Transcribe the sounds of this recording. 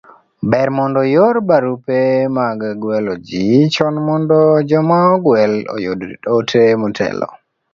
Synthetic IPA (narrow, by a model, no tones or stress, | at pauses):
bɛɾmɔndɔjoɾbaɾupɛmaɡɡwɛlɔd͡ʒit͡ʃɔnmɔndɔd͡ʒɔmaɔɡwɛlɔ̰jodɾḭɗɔtʰemɔtʰɛ̰lɔ̰